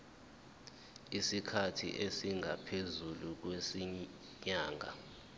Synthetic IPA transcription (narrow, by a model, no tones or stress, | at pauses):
isikʰatʰḭʔesiŋʱapʰezuluk̬wesi | ɲaːŋʱa̰